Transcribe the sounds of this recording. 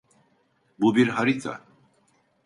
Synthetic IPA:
bubiɾɦaɾit̪ʰa̰

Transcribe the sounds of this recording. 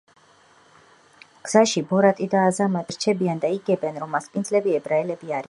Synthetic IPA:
ɡ̥z̥aʃibɔɾat̪ʼid̪aːzamad̪ɾt͡ʃʰɛbiand̪aiɡɛbɛnɾɔmːaspʼind̪zlɛbiɛbɾaɛlɛbiaɾi

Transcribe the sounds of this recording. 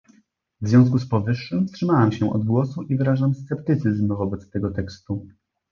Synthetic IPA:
vzʲjɔ̃w̃s̬kuspɔvɘʂːɘmfstʂɘmawamɕɛʔɔ̰d̪ɡwɔsuʔivɘɾaʐamst̪sɛpt̪ɘt̪sɘzmvɔbɛt̪st̪ɛɡɔt̪ɛkst̪u

